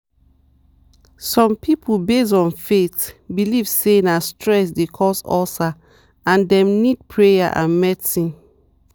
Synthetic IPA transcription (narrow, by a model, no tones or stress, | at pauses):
sɔ̃mpʰipʰulbesɔ̃nfetbilivsenastʰɹɛs̬dekʰɔsɔsa | ãndɛ̃mnid̚pʰɹeja̰ʔã̰nmɛsĩ